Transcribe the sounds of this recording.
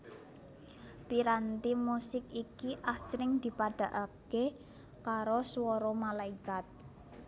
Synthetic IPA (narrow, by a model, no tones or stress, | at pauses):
piɾant̪imusɪkikiʔasɾɪŋd̪̥i̤paɖ̥a̤ʔake | kaɾoswɔɾɔmalaikat̪̚